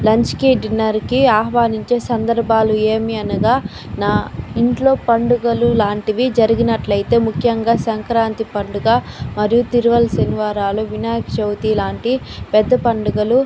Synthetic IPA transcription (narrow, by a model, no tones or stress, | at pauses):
lɐɲt͡ʃkiːɖinɐɾkiaːɦʋaːniɲt͡ʃe̞ːsɐnd̪ɐɾbʱaːlue̞ːmiɐnuɡaː | naːiɳʈlo̞ːpɐɳɖuɡɐlulaːɳʈiʋid͡ʒɐɾiɡinɐʈlɐjt̪e̞ːmukʰjɐŋɡaːsɐŋkɾaːnt̪ipɐɳɖuɡaːmɐɾijut̪iɾuʋɐlɐsɐniʋaːɾaːluʋinaːjkt͡ʃɐwt̪iːlaːɳʈipɛd̪ːɐpɐɳɖuɡɐlu